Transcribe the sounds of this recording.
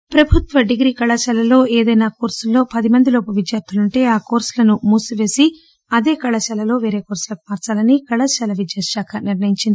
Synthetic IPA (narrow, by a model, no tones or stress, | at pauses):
pɾɐbʱut̪ʋɐɖiɡɾiːkɐɭɐʃɛlɐlo̞ːeːd̪ɐjnaːkoːɾsulːo̞ːpɐd̪imɐnd̪iloːpɐʋid̪jaːɾt̪ʰuluɳʈe̞ːaːkoːɾslɐnumuːsuʋe̞ːsi | ɐd̪e̞ːkɐɭɐʃɛlɐlo̞ːʋe̞ːɾe̞ːkoːɾsulɐku̥maːɾt͡ʃaːlɐnikɐɭɐʃɐlɐʋid͡ʒ̪jaːʃaːkʰɐniɾnɐjiɲt͡ʃind̪ii